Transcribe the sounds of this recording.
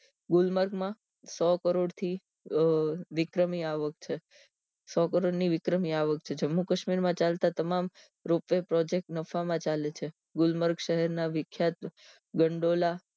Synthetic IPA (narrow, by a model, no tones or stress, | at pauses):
ɡulməɾɡmã | sɔkəɾoɽt̪ʰi | ʋɪkɾəmiaʋək̚t͡ʃʰe | sɔkəɾoɽniʋɪkɾəmiaʋək̚t͡ʃʰed͡ʒəmːukəʃmiɾmãt͡ʃalt̪at̪əmam | ɾopepɾɔd͡ʒek̚ʈnəfamãt͡ʃalet͡ʃʰe | ɡulməɾɡʃəɦɛɾnaʋɪkʰːjat̪̚ | ɡəɳɖola